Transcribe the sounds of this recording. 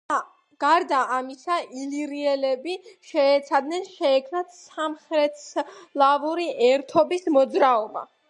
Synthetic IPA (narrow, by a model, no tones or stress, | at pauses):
a | ɡ̥aɾd̪aːmisaʔiliɾiɛlɛbiʃɛːt̪sʰad̪nɛnʃɛːkʰmnat̪ʰsamχɾɛt̪ʰslˠavuɾiʔɛɾt̪ʰɔbismɔd̪zɾaɔba̰